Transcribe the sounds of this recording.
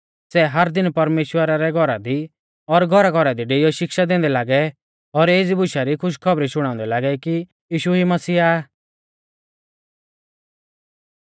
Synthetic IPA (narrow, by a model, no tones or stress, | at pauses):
sɛɦɐɾd̪ɪnpɐɾmeːʃwəɾaɾɛɡʱɔɾad̪i | ɔɾɡʱɔɾaɡʱɔɾad̪iɖeːijɔʃɪkʃad̪ẽːnd̪ɛlaːɡɛ | ɔɾeːd͡zibʊʃaɾikʰʊʃ̬kʰɔbɾiʃʊɽ̃ãːʊ̃nd̪ɛlaːɡɛki | jiːʃuɦimɐsiːa